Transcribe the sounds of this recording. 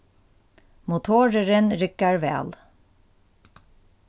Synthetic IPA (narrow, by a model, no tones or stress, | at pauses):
mʊt̪ʰoːɹəɹənɾʏkəɹʋɛ̰ːl